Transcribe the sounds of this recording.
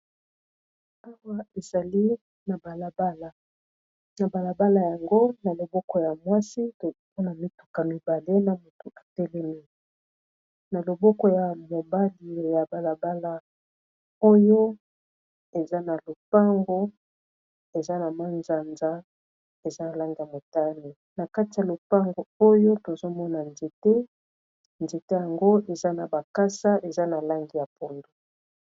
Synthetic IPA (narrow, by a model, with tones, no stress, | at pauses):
a˦wa˦e˨za˨li˦ | na˨ba˨la˨ba˦la˨ | na˨ba˨la˨ba˦la˨ja˨ŋɡo˦na˨lo˨bɔ˦kɔ˨ja˨mwa˦si˦to˨˦po˦na˨mi˦tu̥˨ka˨mi˨ba˨le˦na˨mo˨to˨ʔa˨tɛ˦lɛ˦mi˦ | na˨lo˨bɔ˦kɔ˨ja˨mo˨ba˦li˨ja˨ba˨la˨ba˦la˨ | o˦jo˦ | e˨za˦na˨lo˨pa˦ŋɡo˦ | e˨za˦na˨ma˦nza˨nza˦ | e˨za˦na˨la˦ŋɡi˨ja˨mo˨ta˦ni˨ | na˨ka˦ti˨ja˨lo˨pa˦ŋɡo˨o˦jo˦to˨zo˦mɔ˦na˨nze˨tɛ˦ | nze˨te˦ja˨ŋɡo˦e˨za˦na˨ba˨ka˦sa˦ʔe˨za˦na˨la˦ŋɡi˨ja˨po˨ndo˨